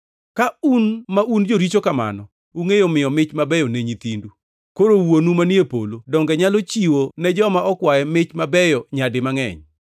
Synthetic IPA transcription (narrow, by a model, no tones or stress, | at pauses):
kaunmaʔund͡ʒoɾit͡ʃokama̰nɔ | uŋejomɪjɔmɪt͡ʃmabɛjɔneɲit̪indu | koɾowonumanjepo̰lodɔŋɡɛɲalɔt͡ʃiwonɛd͡ʒɔmaʔɔkwajɛmɪt͡ʃmabɛjɔɲadɪmaŋɛ̰ɲ